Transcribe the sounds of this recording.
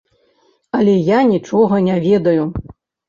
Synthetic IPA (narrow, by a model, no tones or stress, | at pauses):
ɐlʲɛjanʲit͡ʂɔɣɐnʲavʲɛd̪ɐju